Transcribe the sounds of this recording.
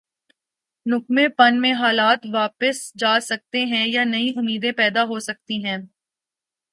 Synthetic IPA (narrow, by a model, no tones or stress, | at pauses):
nʊk̚mẽpɐnmẽɦaːlaːt̪ʋaːpəsd͡ʒaːsɐk̚t̪eɦɛ̃janɐĩʔʊmːiːd̪ẽpɛːd̪aɦosɐk̚t̪iɦɛ̃ː